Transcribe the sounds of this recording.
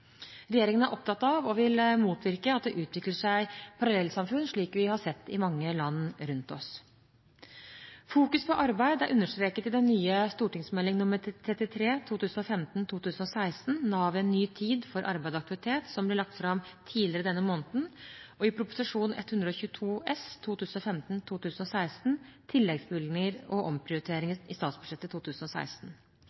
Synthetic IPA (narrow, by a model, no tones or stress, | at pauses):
ɾɛjeːɾɪŋənæɾʔɔp̚t̪ɑt̪ːɑʋɔʋɪlmuːt̪ʰʋɪɾkəɑt̪̚d̪ɛʔʉːt̪ʰʋɪkləʂæɪpʰɑɾɑlɛlːsɑmfʉnʂɭiːkʋɪhɑsɛt̪ːɪmɑŋːəlɑnːɾʉnt̪ɔs | fuːkʉspʰɔʔɑɾbæɪd̪æɾʔʉnːəʂt̪ɾeːkət̪ɪd̪ɛnːyːəst̪uːʈɪŋsmɛlːɪŋnʉmːəɾt̪ʰɾɛt̪ːɪt̪ʰɾeːt̪ʰuːt̪ʰʉːsn̩ɔfɛmt̪n̩t̪ʰuːt̪ʉːsnɔsæɪsn̩nɑːʋɛnːyːt̪ʰiːd̪fɔɾʔɑ̰ɾbæɪd̪ɑk̚t̪ɪʋɪt̪ʰeːt̪sɔmblɪɭɑk̚t̪fɾɑmt̪ʰiːlɪəɾəd̪ɛnːəmoːnət̪n̩ɔɪpʰɾʊpʊ̥sɪʂuːnʔɛ̰t̪hʉnd̪ɾəɔçʉːət̪ʰuːɛst̪ʰuːt̪ʰʉːsn̩ɔfɛmt̪n̩t̪ʰuːt̪ʉːsənɔsæɪst̪n̩t̪ʰɪlːɛɡsbɪlnɪŋəɾɔʔɔmpʰɾɪʊɾɪt̪ʰeːɾɪŋəɪst̪ɑːt̪sbʉ̥ʂɛt̪ːət̪ʰuːt̪ʰʉːsn̩ɔsæ̰ɪst̪n